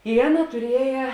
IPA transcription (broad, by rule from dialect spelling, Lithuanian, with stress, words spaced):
ɪ ˈɑːˌnɐ tʊˈrʲiɛjɛ